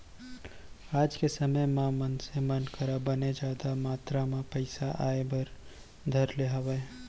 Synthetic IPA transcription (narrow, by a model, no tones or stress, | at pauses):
aːd͡ʒkesəməjmãmənsemənkəɾabəned͡ʒaːd̪amaːt̪ɾamãpəɪsaʔaːebəɾ | d̪ʱəɾleɦəwəe